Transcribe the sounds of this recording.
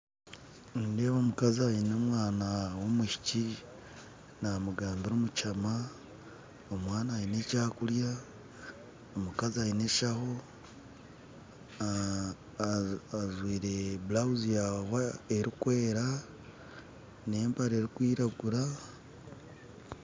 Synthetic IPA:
nde̞ːβomukaziajinomwaːnawo̞muʃi̥ci | namuɡaːmbiɾomut͡ʃama | omwaːnaːine̞caːkulja | omukaziaine̞ʃaho̞ | aʒwiːɾe̞bulauzijahoeɾikwe̞ːɾa | ne̞ːmpaɾe̞ɾikwiːɾaɡuɾa

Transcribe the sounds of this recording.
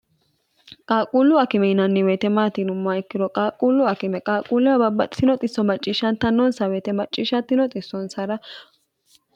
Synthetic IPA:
kʼaːkʼuːlːʊɐkɪmɛɪnɐnːɪweːt̪ɛmaːt̪inʊmːaɪkːɪdɔkʼaːkʼuːlːʊɐkɪmɛkʼaːkʼuːlːɛwɐbɐbːɐt̪ʼsɪnɔt̪ʼɪsːɔmɐt͡ʃʼːɪʃɐnt̪ɐnːɔnsɐweːt̪ɛmɐt͡ʃʼːɪːʃɐt̪ːɪnɔt̪ʼɪsːɔnsɐɾɐ

